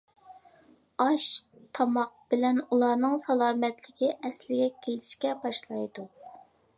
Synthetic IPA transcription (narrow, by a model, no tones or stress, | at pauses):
ɑʃt̪ʰɑmɑq̚b̥ɪlɛnulˠɑːnɨŋsɑlˠɑːmɛt̪lɪkʲiʔɛslɪɡʲɛkʲʰel̥ʃkʲɛbɑʃlˠɑjd̪u